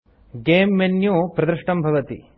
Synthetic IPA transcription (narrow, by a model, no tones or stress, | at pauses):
ɡeːmːenjuːpɾɐd̪ɾɐʂʈɐmbʱɐʋɐt̪ḭ